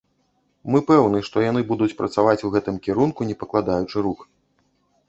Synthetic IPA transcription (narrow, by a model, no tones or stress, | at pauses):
mɨpɛwnɨʂt̪ɔjan̪ɨbud̪ut͡sʲpɾɐ̰t̪savat͡sʲuɣɛt̪ɨmkʲɛɾunkunʲɛpɐklˠad̪ajut͡ʂɨɾux